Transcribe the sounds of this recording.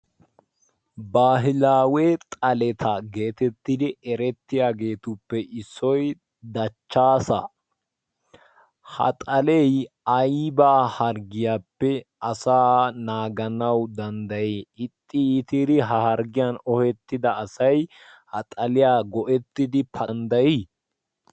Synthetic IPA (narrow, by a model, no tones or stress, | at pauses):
baːɦɪlaːwɛt̪ʼɐlɛt̪ʰɐɡe̞ːt̪ɛt̪ːɪd̪ɪɛɾɛt̪ːɪjaːɡe̞ːt̪ʊpːɛʔɪsːɔj | d̪ɐt͡ʃːaːsɐ | hɐ̰t̪ʼɐlɛj | ɐjbaːhɐɾɡɪjaːpːɛʔɐsaːnaːɡɐnɐwd̪ɐnd̪ɐjeːɪt̪ʼːɪːt̪ɪd̪ɪɦɐhɐɾɡɪjanɔhɛt̪ːɪd̪ɐːsɐj | hɐt̪ʼɐlɪjaːɡɔʔɛt̪ːɪd̪ɪpʰɐnd̪ɐjiː